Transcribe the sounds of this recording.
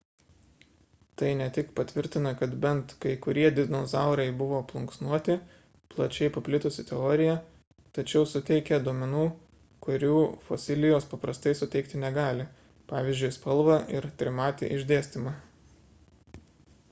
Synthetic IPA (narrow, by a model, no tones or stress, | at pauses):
t̪ɐɪnʲɛt̪ʲɪkpɐt̪ʲʋʲɪɾʲt̪ʲɪnɐkɐt̪bʲɛnt̪kɐɪkʊɾʲiɛd̪ʲɪnozɑˑʊɾɐɪbʊʋoːplˠʊŋksnuɔt̪ʲɪ | plˠɐt͡ʃʲɛɪpɐpʲlʲɪt̪ʊsʲɪt̪ʲɛɔːɾʲɪjɛ | t̪ɐt͡ʃʲɛʊsʊt̪ʲɛɪkʲɛd̪uɔmʲɛnuː | kʊɾʲuːfo̰sʲɪlʲɪjoːspɐpɾɐst̪ɐɪsʊt̪ʲɛɪkt̪ʲɪnʲɛɡɑːlʲɪ | pɑːʋʲiːzʲd͡ʒʲʊɪspɐlˠʋɐʔɪɾt̪ʲɾʲɪmɑːt̪ʲɪ̰ʔɪʒʲd̪ʲeːsʲt̪ʲɪmɑ